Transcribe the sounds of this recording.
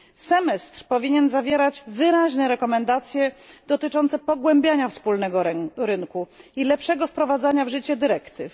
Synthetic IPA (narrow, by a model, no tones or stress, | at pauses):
sɛmɛst̪ɾpɔvʲiɲɛnzavʲjɛɾad͡ʑvɘɾaʑnɛɾɛkɔmɛnd̪at̪sʲjɛd̪ɔt̪ɘt͡ʂɔnt̪sɛpɔɡwɛmbʲjaɲafspulnɛɡɔɾɘnkuilɛpʂɛɡɔfpɾɔvad̪zaɲavʐɘt͡ɕɛd̪ɘɾɛkt̪ɘf